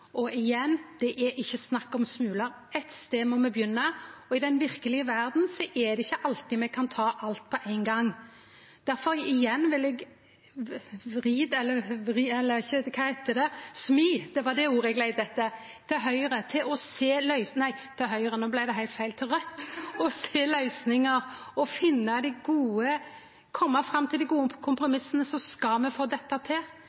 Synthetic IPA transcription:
ʔɔʔɪjɛnːd̪̥ɛʔæɾʔɪçːəsnɑkːɑɔmsmʉːlɑɾɛt̪st̪eːmɔmɛbjʏnːəɔɪd̪ɛnʋɪɾkəlɪəʋæʁd̪n̩sɔʔɛd̪ɛɪçːəʔɑlt̪ɪmɛɡ̚kʰɑnt̪ʰɑːʔɑlt̪̚pʰɔʔæɪnɡɑŋː | d̪̥æɾfɔɾɪjɛnːʋɪlɛɡ | ɾiːd̪ɛlːəɾiɛlːəɪçːəkʰɑɪhæɪt̪əd̪ɛsmiːd̪̥ɛʋɑd̪ɛuːɾəɛɡlæɪd̪əd̪ɛt̪ːə | t̪ʰɑːɦœʏɾət̪ʰɪlɔseːlœʏsnæɪt̪ʰɑːɦœʏəɾənoːblæɪd̪ɛɦæɪlt̪fæɪlt̪ɾœt̪ːɔseːlœʏsnɪŋəɾɔfɪnːɑd̪ɪɡuːə | kʰɔmːɑfɾɑmːt̪ʰɪld̪ɪɡuːəkʰʊmpɾʊmɪsənəsɔskɑlmɛfoːd̪ɛt̪ːɑt̪ʰɪl

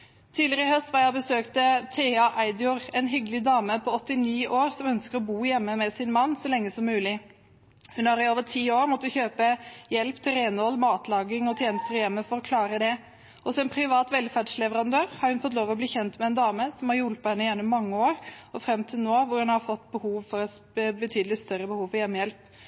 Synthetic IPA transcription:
t̪ʰiːlɪɾəɪhœst̪ʋɑjɑbəsøːkt̪ət̪ʰeːɑʔæɪd̪jʊɾɛnɦʏɡəlɪd̪ɑːməpʰɔɔt̪ːɪniːʔoːɾsɔmœnskəɾɔbuːjɛmːəmɛsɪnmɑnːsɔlɛŋːəsɔmːʉːlɪ | hʉnhɑɾɪoːʋəʈʰiːoːɾmɔt̪ːəçøːpəjɛlpt̪ʰɪɾenɔlmɑːt̪lɑːɡɪŋɔt̪ʰjeːnəst̪əɾjɛmːəfɔɾɔkʰlɑːɾəd̪ɛ | ʔɔsɔɛnpʰɾɪʋɑːt̪ʋɛlfæɖʂlɛʋəɾɑnd̪øːɾhɑɾhʉnfɔt̪loːʋɔbliːçɛnt̪mɛɛnd̪ɑːməsɔmhɑɾjulpɑhɛnːəjænɔmːɑŋːəoːɾɔfɾɛmt̪ʰɪlnoːʋʊɾhʉnhɑɾfɔt̪ːbəhuːʋfɔɾɛ | bət̪ʰyːd̪əlɪt̪st̪œɾəbəhuːʋfɔɾjɛmːəjɛlp

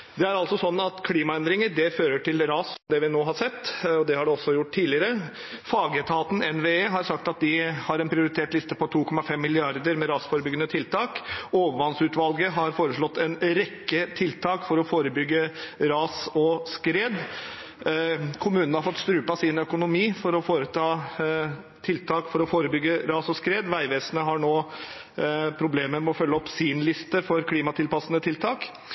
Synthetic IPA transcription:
d̪ɛæɾɑlt̪sɔsɔnːɑt̪kʰliːmɑɛnd̪ɾɪŋəɖɛføːɾəʈʰɪlɾɑːsɔmd̪ɛʋɪnoːɦɑɾʂɛt̪ːɔd̪ɛhɑɖɛɔsːɔjʊʈːt̪iːlɪəɾə | fɑːɡət̪ʰɑːt̪n̩ɛnʋeːeːɦɑɾsɑkt̪ɑt̪̚d̪ɪhɑɾɛnpʰɾɪʊɾɪt̪ʰeːʈlɪst̪əpʰɔt̪ʰuːkʰɔmɑfɛmːɪlɪɑɾd̪əɾmɛɾɑːsfoːɾəbʏɡːənət̪ʰɪlt̪ʰɑːkoːʋəʋɑnsʉːt̪ʋɑlɡəɦɑɾfoːɾəʂɭɔt̪ːɛnɾɛkːət̪ʰɪlt̪ʰɑːkfɔɾɔfoːɾəbʏɡːəɾɑːsɔskɾeːd̪ | kʰʊmʉːnənəhɑɾfɔt̪ːst̪ɾʉːpɑsiːnœkʊnʊmiːfɔɾɔfoːɾət̪ʰɑː | t̪ʰɪlt̪ʰɑːkfɔɾɔfoːɾəbʏɡːəɾɑːsɔskɾeːd̪ʋæɪʋeːsənəɦɑɳoː | pʰɾʊbleːməɾmɛɔfœlːəɔpsiːnlɪst̪əfɔɾkʰliːmɑt̪ʰɪlpɑsənət̪ʰɪlt̪ʰɑːk

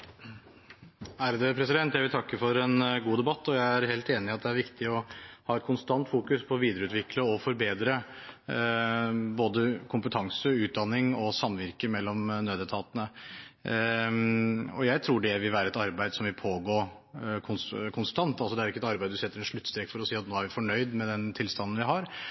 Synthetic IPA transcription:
hæːɾəd̪əpʰɾɛsɪd̪ɛnt̪jæɪʋɪlt̪ʰɑkːəfɔɾɛnɡuːd̪ɛbɑt̪ːɔjæɪæɾheːlt̪eːnɪɑt̪̚d̪ɛæɾʋɪkt̪ɪɔhɑːɛt̪̚kʰʊnst̪ɑnt̪fuːkʉspʰɔʋiːd̪əɾəʉːt̪ʋɪkləɔfɔɾbeːd̪ɾə | boːd̪əkʰʊmpət̪ʰɑŋsəʉːt̪̚d̪ɑnːɪŋɔsɑmːʋɪɾkəmɛlːɔmnøːd̪ət̪ʰɑːt̪ənə | ɔjæɪt̪ʰɾuːɖɛʋɪlʋæːɾəɛt̪ɑɾbæɪd̪əsɔmʋɪlpʰoːɡoː | kʰʊnkʰʊnst̪ɑnt̪ɑlsɔd̪ɛæɾɪkːəɛt̪ɑɾbæɪd̪d̪ʉsɛt̪ːəɾɛnʂɭʉt̪ːst̪ɾeːɡfɔɾɔsiːɑt̪noːæɾʋɪfɔɳœʏd̪mɛd̪ɛnt̪ʰɪlst̪ɑnənʋɪɦɑɾ

